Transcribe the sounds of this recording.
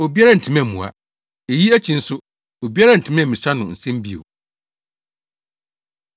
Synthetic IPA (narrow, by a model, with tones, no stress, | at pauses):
o˨bi˦a˦ɾa˦n̩˨tʰĩ˨mɛ̃˨mũ˨a̰˨ | e˨ji˦æ˦t͡ɕʰĩ˨n̩˦sʊ˦ | o˨bi˦a˦ɾa˦n̩˨tʰĩ˨mɛ̃˦˨mĩ˨sa˦nʊ̃˨n̩˨sɛ̃˦m˦bi˦o̰˨